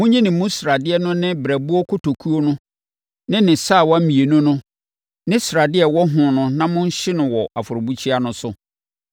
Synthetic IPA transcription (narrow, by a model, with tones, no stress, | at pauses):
mʊ̃˦ɲĩ˦nɪ̃˨mũ˦sɾa˨dɪ˦ɛ˦nʊ̃˦nɪ̃˦bɾæ˨bu˦ɔ˦kʰʊ˦tʰo˨kʰu˦o˦nʊ̃˦ | nɪ̃˦nɪ̃˨saː˦˨wɔ˦m̩˦mĩ˨e˨nʊ̃˦nʊ̃˦ | nɪ̃˦sɾa˨dɪ˦ɛ˨wɔ˦ɦʊ̃˨nʊ̃˦nã˦mʊ̃˦ɲ̩˦ɕɪ˦nʊ̃˨wɔ˨a˨fʊ˨ɾʊ˨bu˦t͡ɕʰi˦a˦nʊ̃˦sʊ˦